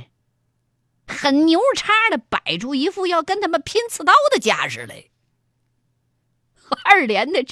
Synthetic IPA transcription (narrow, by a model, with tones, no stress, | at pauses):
xə˨˩nnjo˧˥ʊʈ͡ʂʰa˥də˨pa̰˨˩ɪʈ͡ʂu˥˩i˧˥fu˥˧jɑ˥˩ʊkə˥nt̪ʰa˥mə˨npʰi˥nt͡sʰɹ̩˧t̪ɑ˥ʊd̪ə˨t͡ɕja̰˥ʂɻ̩˧˩lḛ˧˩ɪ | xə˞˥˩ljɛ˧˥nd̪ə˨˧ʈ͡ʂ